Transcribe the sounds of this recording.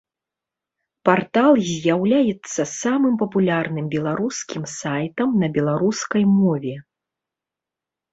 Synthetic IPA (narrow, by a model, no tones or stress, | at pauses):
part̪alˠzʲjawlʲajɛt̪sːɐsamɨmpɐpulʲarnɨmbʲɛlˠaɾuskʲimsajt̪ɐmnɐbʲɛlˠaɾuskɐjmɔvʲɛ